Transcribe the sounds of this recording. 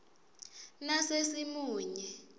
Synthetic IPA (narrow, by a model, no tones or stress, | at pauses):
nasesimuːɲɛ